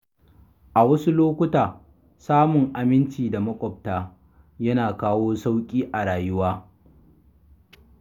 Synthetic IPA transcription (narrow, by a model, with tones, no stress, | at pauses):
ʔa˨wɐ˦su˦loː˦kʷʊ˦taː˨ | saː˦mʊ˨ŋʔa˨mɪ˦nt͡ʃiː˨da˨mɐ˦kʷʼɔ˨p̚taː˦ | jɐ˦naː˨kaː˦woː˦sa˦wkʲʼiː˦ʔa˨ɽaː˨jʊ˦waː˦